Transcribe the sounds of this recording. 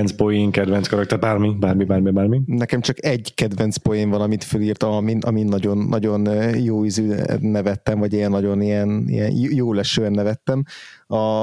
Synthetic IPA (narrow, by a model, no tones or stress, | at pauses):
nspojiŋkɛd̪ʋɛnskɒɾɛk̚t̪ɛɾbaːrmibaːrmibaːrmibaːrminɛkɛmt͡ʃɒkɛɟkɛd̪ʋɛnt̪spojiɱvɒnɒmit̪føliːrt̪ɒmɒmiɒ̰minːɒɟo̞nːɒɟo̞nøjoːizyːnːɛvɛt̪ːɛɱvɒɟeːnːɒɟo̞nijɛnḭjɛ̰njjoːlɛʃøːɛnːɛvɛt̪ːɛmɒ